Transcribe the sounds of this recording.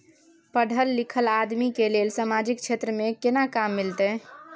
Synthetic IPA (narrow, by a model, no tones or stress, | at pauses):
pəɽ̤ʱəlːikʰəlad̪mikelelsamad͡ʒik̚t͡ʃʰet̪ɾəmekenakamːilt̪ɛ